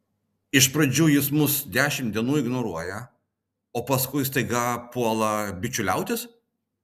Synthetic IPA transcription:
ɪʃpɾɐd͡ʒʲuːjɪsmʊsd̪ʲæːʃʲɪmd̪ʲiɛnuːɪɡnɔɾuɔjɛ | oːpɐskʊɪst̪ɐɪɡɑpuɔlˠɐbʲɪt͡ʃʲʊlʲɛʊt̪ʲɪs

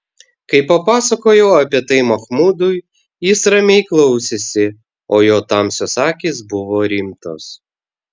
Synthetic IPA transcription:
kɐɪpɐpɑːsɐkoːjɛːɐpʲɛt̪ɐɪmɐxmud̪ʊj | jɪsɾɐmʲɛɪklˠɐʊsʲesʲɪ | oːjoːt̪ɑmsʲɔsɑːkʲisbʊʋɔɾʲimt̪os

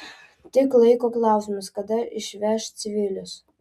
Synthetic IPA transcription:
t̪ʲɪklˠɐɪkoːklˠɑˑʊsʲmɐskɐd̪ɐɪʃʲʋʲɛʃt̪sʲɪʋʲɪlʲʊs

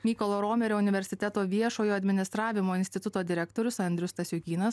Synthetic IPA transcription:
mʲiːkolˠoːɾoːmʲeɾʲoːʊnʲɪʋʲɛɾʲsʲɪt̪ʲɛt̪oːʋʲiɛʃoːjoːɐd̪ʲmʲɪnʲɪst̪ɾɑːʋʲɪmoːɪnʲsʲt̪ʲɪt̪ʊt̪oːd̪ʲɪɾʲɛk̚t̪oːɾʲʊsɐnd̪ʲɾʲʊst̪ɐsʲjʊkʲiːnɐs

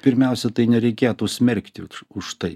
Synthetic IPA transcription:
pʲɪɾʲmʲɛˑʊsʲɛt̪ɐɪnʲɛɾʲɛɪkʲeːt̪usʲmʲɛɾʲkt̪ʲɪʊʃt̪ɐɪ

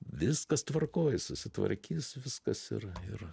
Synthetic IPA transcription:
ʋʲɪskɐst̪ʋɐrkoːjsʊsʲɪt̪ʋɐ̰ɾʲkʲiːsʋʲɪskɐsɪ̰rɪr

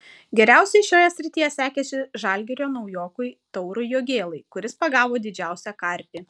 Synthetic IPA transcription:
ɡʲɛɾʲæˑʊsʲɛɪʃʲoːjɛsʲɾʲɪt̪ʲijɛsʲæːkʲɛsʲɪʒɑlʲɡʲɛɾʲoːnɐʊjoːkʊɪt̪ɔʊɾʊjoːɡʲeːlˠɐɪkʊɾʲɪspɐɡɑːʋoːd̪ʲɪd͡ʒʲæˑʊsʲæːkɐɾʲpʲiː

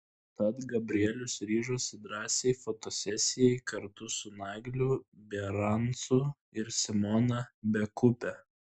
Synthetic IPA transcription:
t̪ɐt̪ɡɐbʲɾʲɪɛlʲʊsɾʲiːʒoːsʲɪd̪ɾɑːsʲeɪfot̪oːsʲɛsʲɪjɛɪkɐɾt̪ʊsʊnɑːɡlʲʊbʲɛɾɐnt̪sʊ | ɪɾsʲɪmɔnɐbʲɛkʊpʲɛ

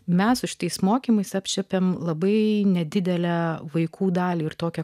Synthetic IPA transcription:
mʲɛssʊʃʲɪ̥t̪ɐɪsmoːkʲiːmɐɪsɐpʲt͡ʃʲɛpʲeːmlˠɐbɐɪnʲɛd̪ʲɪd̪ʲɛlʲæʋɐɪkʰuːd̪ɑːlʲiːɪɾt̪oːkʲɛ

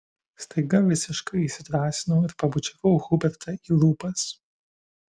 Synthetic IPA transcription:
st̪ɐɪɡɐʋʲɪsʲɪʃkɐɪiʃsʲɪt̪ɾɑːsʲɪnɐːɪɾpɐbʊt͡ʃʲɛʋɐʊɣʊbʲɛɾt̪ʰɐiːlˠuːpɐs

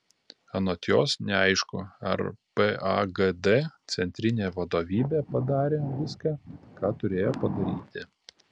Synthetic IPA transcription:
ɐnoːt̪ʲjoːsnʲɛɐɪʃkʊɐ̰ɾpɛɐɡɛd̪et̪sʲɛnʲt̪ʲɾʲɪnʲeːʋɐd̪oːʋʲiːbʲepɐd̪ɑːɾʲeːʋʲɪskɑkɑːt̪ʊɾʲeːjoːpɐd̪ɐɾʲiːt̪ʲɪ

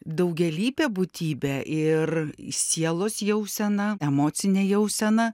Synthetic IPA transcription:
d̪ɐʊɡʲɛlʲiːpʲebʊt̪ʲiːbʲɛʔɪrsʲiɛlˠoːsjɛʊsʲɛnɐɛmoːt͡s̪ʲɪnʲeːjɛʊsʲɛnɐ

